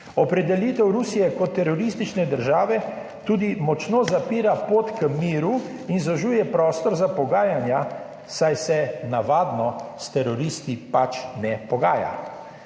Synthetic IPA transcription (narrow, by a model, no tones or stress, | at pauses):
ɔpɾɛd̪ɛliːt̪ɛwɾusijɛkɔt̪ːɛɾɔɾist̪it͡ʃnɛd̪əɾʒaːʋɛ | t̪uːd̪imɔt͡ʃnoːzapiːɾapoːt̪kəmiːɾu | inzɔʒuːjɛpɾɔːst̪ɔɾzapɔɡaːjanja | sajsɛnaʋaːd̪nɔst̪ɛɾɔɾiːst̪ipat͡ʃnɛpɔɡaːja̰